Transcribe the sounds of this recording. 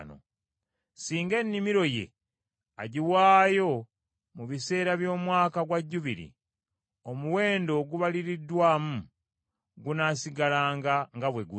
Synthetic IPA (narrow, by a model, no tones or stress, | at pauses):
no̰ | siːŋɡe̞nːimiɾo̞je̞̰ | a̰ɟiwaːjo̞ | muβise̞ːɾaβjo̞ːmwaːkaɡwaɟːuβiɾḭ | o̞muwe̞ːndo̞ɡuβaliɾidːwaːmu | ɡunaːsiɡalaːŋɡaŋɡaβwe̞ɡu